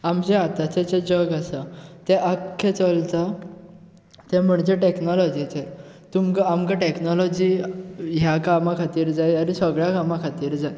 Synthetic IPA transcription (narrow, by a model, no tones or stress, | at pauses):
amd͡ʑeat̪at͡ɕet͡ɕed͡ʑəɡasət̪eʔakʰːet͡səlt͡sa | t̪ẽm̤əɳd͡ʑeʈeknɔlɔd͡ʑit͡se | t̪umkamkaʈeknɔlɔd͡ʑiːɦjakamakʰat̪iːɾd͡zajaɾisəɡɭjakamakʰat̪iːɾd͡zaj